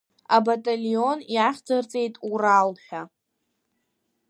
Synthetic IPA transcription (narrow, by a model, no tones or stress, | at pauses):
abatʼalio̞njaχʲd͡zart͡sʼe̞jtʼuralħᶣa